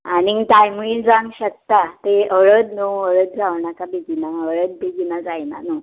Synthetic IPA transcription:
anit̪ajmuid͡zãŋɡɕək̚t̪at̪eəɭət̪noəɭət̪̚d͡zawɳakabiɡinaəɭəd̪̚biɡinad͡zajna̰nu

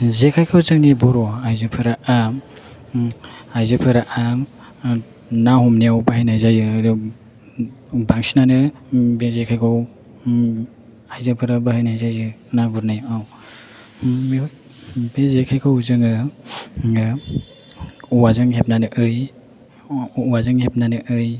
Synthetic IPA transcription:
zekʰajkʰawzɯŋnibɔɾɔajzɯpʰɯɾaʔam | ajzɯpʰɯɾaʔam | nahɔmniawbaɦajnajzajɯdɔ | baŋsinanɯbezekʰajkʰaw | ajzɯpʰɯɾabahajnajzajɯnaɡuɾnajaw | mej | bezekʰajkʰawzɯŋɯ | uwazɯŋɦep̚nanɯʔɯj | wazɯŋhep̚nanɯʔɯj

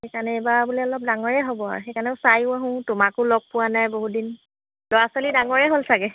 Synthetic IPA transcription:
xekanɛebabulɛɔlɔp̚daŋɔɹɛɦobɔa̰ɹxejkanɛʊ̃sajʊ̃aɦʊ̃tʊmakʊlɔɡ̚pʊwanajboɦudin | lɔɹaswalidaŋɔɹɛɦolsʰakɛ

